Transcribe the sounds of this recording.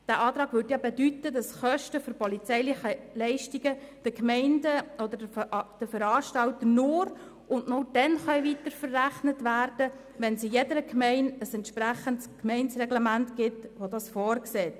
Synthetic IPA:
d̥æːʔɑːt̪ɾɑːɡʋʏːɾtjɑbɛdytːədɑsχœʃtəfɔɾpɔlit͡sɛɪlɪχəlɛɪʃtiɡəd̥əkmɛɪndəɔd̪ədəd̥əfəɾɑːʃtɑltənʊɾ | ʔʊndnʊd̥ɛnχœʏʋitəɾfərːæχnətʋæːrd̥ə | ʋɛnsijɛdəɾəkmɛɪnəsɛntʃpɾæχəntskmɛɪnsrɛɡlɛmæntɡɪtʋodɑsfɔːɾkseːt

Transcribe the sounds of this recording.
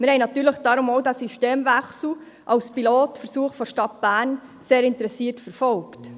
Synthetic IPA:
mɪɾhɛɪnɑtyːɾləχd̥ɑːɾʊmowdæsiʃteːmvæχsl̩ | ʔɑwspiloːtfəɾsuːəχfɔʃtɑt̚b̥æːɾn | seːɾɪntəɾɛsiːtfəɾfɔlkt

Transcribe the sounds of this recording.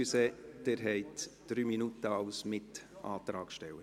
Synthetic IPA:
ysed̪̥eɾɦɛɪtd̥ɾyːminut̪əɑʊsmɪtʔɑ̰ːt̪ɾɑːkʃtɛwə

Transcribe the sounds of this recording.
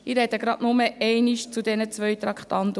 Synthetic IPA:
iɾɛd̥̪əɡɾɑʔnʊməɛɪniʃt͡sud̪ɛnət͡svœjt̪ɾɑkχt̪ɑnt̪ə

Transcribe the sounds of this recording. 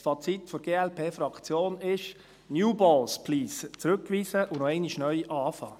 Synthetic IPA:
fɑt͡sit̪fɔɾɡ̥eːɛlpʰeːfɾɑkt͡sjoːnɪʃ | njuːbɔlspʰliːst͡sɾʉkːʋiːsəʔʊnɔɛɪniʃnœʏʔɑːfɑː

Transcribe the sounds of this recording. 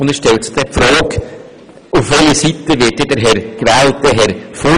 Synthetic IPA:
ʊnd̪ɛʃtɛltsɪ̥χd̥̪ɛfɾɑːk | ʊfʋɛləsit̪əʋɪt̚dədəɾɦɛɾkvɛːlt̚d̥̪ɛɦɛɾfo

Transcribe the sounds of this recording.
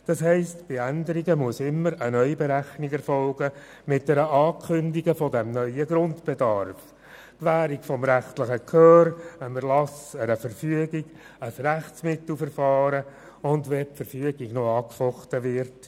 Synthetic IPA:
d̥ɑsɦɛɪstb̥ɪændəɾiɡəmuəsɪmːəɾənœʏbeɾæχniɡɛɾfɔlɡə | mɪt̚d̥ɛɾəʔɑːkʰʏndiɡəfɔdɛmnœʏəɡɾʊntb̥edɑɾf | kʋæːɾiɡfɔmɾæχtlɪχəkʰœːɾənəɾlɑsəɾəfəɾfyəɡiɡ̥ | əsɾæχsmɪt̪l̩ˠfəɾfɑːɾə | ʊndʋɛpfəɾfyəɡiɡnoɑːkfɔχtəʋɪɾt

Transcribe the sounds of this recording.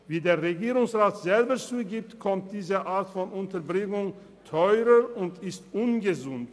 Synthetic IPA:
viːdeːɐʁeɡiːʁʊŋsʁaːtz̥ɛlbət͡suːɡiːp̚tkʰɔmt̚d̥iːzəʔaːʁtfɔnʊntɐbʁɪŋʊŋ | tʰɔʏʁəʊntɪstʔʊnɡəzʊnt

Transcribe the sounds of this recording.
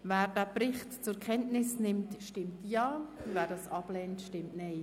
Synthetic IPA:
vɛːɾd̥æːpɾɪχtt͡sʊɾkʰɛntnɪsnɪmtʃtɪmtjɑːvɛːɾdɑːsɑb̥lɛːntʃtɪmtnaɛɪ

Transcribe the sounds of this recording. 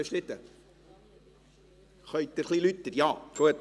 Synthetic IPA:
eʃɾɪt̪ːə | χœʏt̚əɾχlilyt̪ːəɾjɑːfuət̪

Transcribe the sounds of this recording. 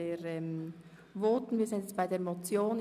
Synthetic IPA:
eːɾɛm | voːtn̩viːɐzɪndjɛt͡sb̥aɪdeːɐmot͡sjoːn

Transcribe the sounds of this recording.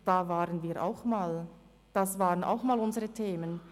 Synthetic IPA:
d̥aːvaːʁənviːʁʔa̰ʊxmaːl | d̥asvaːʁənʔa̰ʊxmaːlʊnzəʁətʰeːmən

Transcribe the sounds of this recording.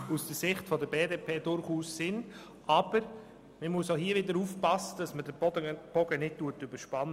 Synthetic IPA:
usd̥əsɪχtfɔdəbeːdeːpʰeːdʊɾχuːsːɪn | ʔabəɾ | məmuəsohiːəvɪdəɾuːfpɑsːəd̥ɑsmədəb̥ɔɡənɪd̚tuətybəʃpɑn

